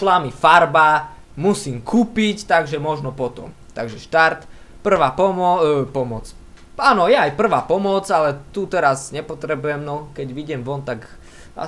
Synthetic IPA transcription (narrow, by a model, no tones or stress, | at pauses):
slamifaɾba | musiːmkʰuːpict̪aɡʒɛmɔʒnɔpɔt̪ɔ̰m | t̪a̰ɡʒɛʃt̪aɾt̪pr̩ʋaːpɔmɔpɔmɔt͡s | aːnɔjaːjpr̩ʋaːpɔmɔt͡salɛt̪ut̪ɛɾazɲɛpɔt̪ɾɛbujɛmnɔkɛɟʋiɟɛmʋɔnt̪aɡ | a̰